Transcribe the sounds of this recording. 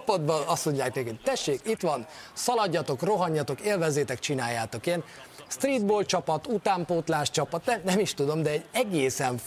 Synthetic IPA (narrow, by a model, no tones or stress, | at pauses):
pɒd̪bɒɒst̪mo̞ɲɟːaːknekoc̚t̪ɛʃːeːkit̪ʋɒnsɒlɒɟːɒt̪o̞kro̞ɦɒɲːɒt̪o̞keːlvɛzːeːt̪ɛkt͡ʃinaːjːaːt̪o̞keːn | st̪riːd̪boːlt͡ʃɒpɒt̪ut̪aːmpoːt̪laːʃt͡ʃɒpɒt̪nɛmnɛmiʃt̪ud̪o̞md̪ɛːɟɛɡeːsɛɱ